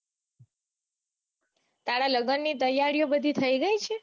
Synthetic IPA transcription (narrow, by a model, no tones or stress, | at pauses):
t̪aɽaləɡənːit̪̬əjːaɾijobəd̪ʱit̪ʰəiɡəjt͡ʃʰe